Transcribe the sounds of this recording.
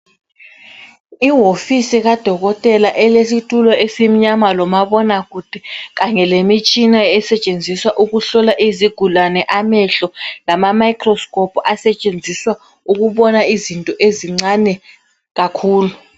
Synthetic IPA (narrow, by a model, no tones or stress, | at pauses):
iɦofisiɣad̥ʱɔɣɔtʼɛlaʔɛlesitʰʼulɔesim̩ɲamalɔmaɓɔnaɣud̥ʱɛɣaŋɛlemit͡ʃʼinaɛsɛt͡ʃʼend͡zʱiswaʔuɣuɬɔlaʔiziɡ̥ʱulanɛʔamɛɬɔlamamajkʰrɔskʼɔpʰɔasɛt͡ʃʼend͡zʱiswa | uɣuɓɔnaizintʼɔʔeziŋ͡ǀanɛ | ɣakʰuːlu